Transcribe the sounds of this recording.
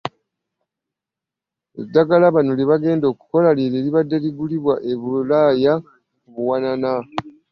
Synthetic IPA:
ḛdːaɡalaβanoliβaɡe̞ːndo̞ːku̥ko̞laliɾeːliβadːe̞liɡuliβwaʔeβulaja | kuβuwanana

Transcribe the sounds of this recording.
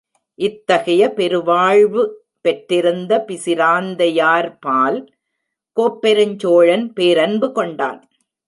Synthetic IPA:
ʔɪt̪ːɐɣɐjɐpɛɾɯʋaːɻʋɯ | pɛʈːɪɾɯnd̪ɐpɪsɪɾaːnd̪ɐjaːɾpaːl | koːpːɛɾɐɲt͡ʃoːɻɐnpeːɾɐnbɯkɔɳɖa̰ːn

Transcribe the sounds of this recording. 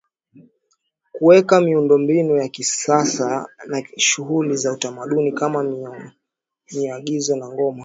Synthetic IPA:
kuwɛkamiundɔmbinujakisasanaʃuɦulizautamaɗunikama | miaɠizɔnaŋɡɔma

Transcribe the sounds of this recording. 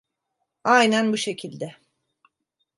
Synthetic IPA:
ajnænbuʃe̞cʰilʲd̪ɛ

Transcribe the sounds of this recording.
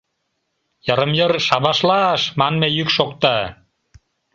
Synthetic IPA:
jɑɾə̆mjərʃɑβɑʃlɑʃmɑnmejykʃok̚t̪ɑ

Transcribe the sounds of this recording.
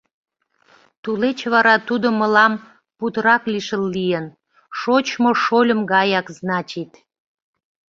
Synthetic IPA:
t̪ulet͡ɕβɑɾɑt̪ud̪oməlɑm | put̪əɾɑkliʃəlːijən | ʃot͡ɕmoʃolʲəmɡɑjɑkznɑt͡ɕit̪

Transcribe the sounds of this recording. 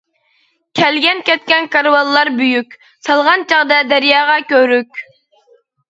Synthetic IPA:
kʲʰɛlɡʲɛnkʲɛt̪̚kʲɛnkɑɾwɑlˠːɑɾbyjykʲ | sɑlˠʁɑnt͡ʃʰɑʁd̪ɛd̪æɾjɑːʁɑkʲøɾykʲ

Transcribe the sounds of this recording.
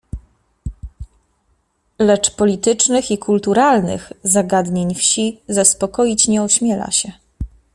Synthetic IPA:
lɛt͡ʂpɔlʲit̪ɘt͡ʂnɘxikʰult̪uɾalnɘ̰xzaɡad̪ɲeɲfɕizaspɔkɔjit͡ɕɲɛuɕmʲjɛla̰ɕɛ

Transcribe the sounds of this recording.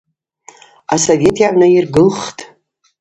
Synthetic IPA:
a̰sove̞tʰjaʕʷnairɡɨlχtʼ

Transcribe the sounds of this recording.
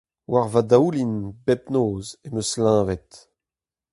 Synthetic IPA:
waʁvad̪aulinbɛpnoːzemøslãːvɛt̪

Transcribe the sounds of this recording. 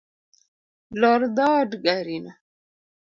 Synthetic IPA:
loɾd̪ɑːɖɡaɾina

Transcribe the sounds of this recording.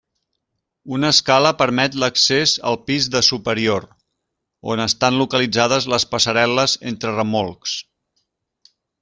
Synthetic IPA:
unəskaləpəɾmɛt̪ləksezə̰lˠpizðəsupəɾioɾ | o̰nəst̪anlukəlid͡zaðəzləspəsəɾɛləzḛnt̪ɾərəmolˠks

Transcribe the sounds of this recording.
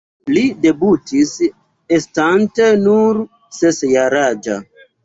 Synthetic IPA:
lide̞butʰis | estantenuɾ | sesjaɾad͡ʒa̰

